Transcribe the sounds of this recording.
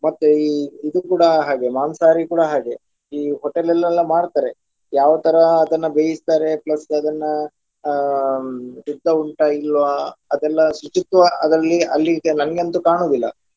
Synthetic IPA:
mɐt̪ːuiid̪ukuːɽɐɦaːɡe̞maːnsaːɾikuːɽɐɦaːɡe̞ | iːɦɔʈelɛlːɐlːɐmaːɽt̪aːɾe | jaːʋɐt̪ɐɾɐːd̪ɐnːɐbeːjist̪aːɾe̞plɐsɐd̪ɐnːɐ | sid̪ːɐuɳʈɐilːʋɐɐd̪ɛlːɐsut͡ʃit̪ʋɐʔɐd̪ɾɐlːiɐlːinɐnɐɡeɐnt̪ukaːɳoːd̪ilːɐ̰

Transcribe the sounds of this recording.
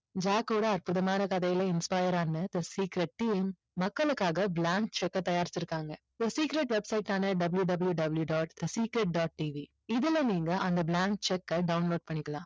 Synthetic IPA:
d͡ʒaːkːuːɽɐɐɾpʊðɐmaːnɐkɐðɐjɪlɐɪnspaːjɐɾaːnɐt̪ɐsiːkɪɾɛʈ̚ʈiːmː | ɐkːɐɭɯkːaːɣɐblaːŋk̚t͡ʃɛkːɐt̪ɐjaːɾɪt͡ʃːɪɾɯkːaːŋɡɐ | t̪ɐsiːkɪɾeʈʋɛbsɐɪʈːaːnɐɖɐbljuɖɐbɪljuɖɐbɐljuɖaːʈt̪ɐsiːkɾeʈ̚ɖaːʈ̚ʈiːʋi | ɪðɯlɐniːŋɡɐʔɐnd̪ɐblaːŋk̚t͡ʃɛkːɐɖɐʊnloːɖ̚pɐɳːɪkːɐlãː

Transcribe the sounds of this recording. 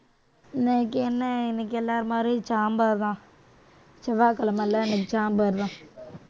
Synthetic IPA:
nekːɛnːɐɛnɐkːɛlːaːɾmaːd̪ɾit͡ʃaːmbaːɾt̪ãː | t͡ʃɐʋaːkɐlɐmɐlːaɛnɐkːɯt͡ʃaːmbaːɾðãː

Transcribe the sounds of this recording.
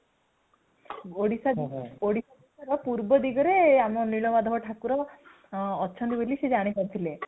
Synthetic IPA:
oɽisaoɽisad̪isaɾɔpuɾbɔd̪iɡɔɾeamɔniɭɔbad̪ʱɔɦɔʈʰakuɾɔː | tːt͡ʃʰɔnt̪ibolised͡ʒaɽ̃ipɔɾit̪ʰile

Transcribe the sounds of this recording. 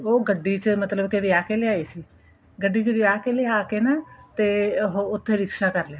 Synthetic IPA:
oːɡəɖːiːt͡ʃəmət̪ləbkeʋiaːkeleaːiːsiː | ɡəɖːiːt͡ʃəʋiaːkeleaːkenaːt̪eːɦoʊt̪ʰːeɾɪkʃaːkəɾlejaː

